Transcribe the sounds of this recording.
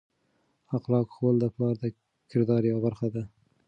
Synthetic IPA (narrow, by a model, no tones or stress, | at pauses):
ɑqlɑkxwəld̪əpɑɾd̪ə | kʰɪɾd̪ɑɾjawbaɾxad̪a